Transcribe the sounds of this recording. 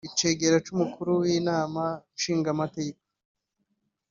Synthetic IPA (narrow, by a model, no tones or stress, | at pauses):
it͡ʃe̞ːɡe̞ɾat͡ʃumukʰuɾuwiːnaːmanʃiːŋɡamatekḁ